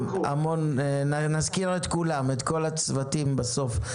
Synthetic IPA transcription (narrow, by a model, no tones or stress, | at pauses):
a̰mo̞nːnazkiʁet̪kulamet̪ko̞lat͡svatimbaso̞f